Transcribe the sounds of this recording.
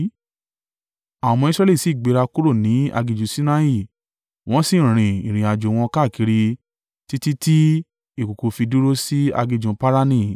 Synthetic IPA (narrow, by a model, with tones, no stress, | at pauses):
a˨m̃ɔ̃˧i˦sɾɛ˦li˦˨si˨˦˨ɡ͡be˧ɾa˧ku˦ɾo˦˨nĩ˨˦a̰˧ɡi˧d͡ʒũ˧si˦nã˦i˦˨ | w̃ɔ̃˦sĩ˦˨ɾ̃ĩ˨ĩ˨ɾ̃ĩ˨a˨d͡ʒo˨w̃ɔ̃˧ka˦˨ki˨˧˦ɾi˧ | ti˦ti˦ti˦ | i˦˨ko˨ko˧fi˧du˦ɾo˦si˦a̰˧ɡi˧d͡ʒũ˧pa˦ɾa˦nĩ˦˨